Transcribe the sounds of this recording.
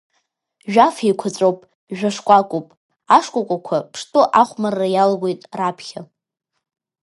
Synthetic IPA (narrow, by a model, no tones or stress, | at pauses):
ʒᶣafikʷʰat͡sʷʼowpʼ | ʒᶣaʂkʷʼakʷʼupʼ | aʂkʷʼakʷʼakʷʰapʰʂtʰʼʊʔaχʷmarːajalɡʷe̞jtʼrapʰχʲa